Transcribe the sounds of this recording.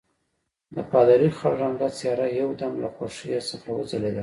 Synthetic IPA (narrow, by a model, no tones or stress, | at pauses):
d̪əpɑd̪aɾixaɽʒamd̪at͡sjɑɾajawd̪amlaxoʂijosəxawazəled̪a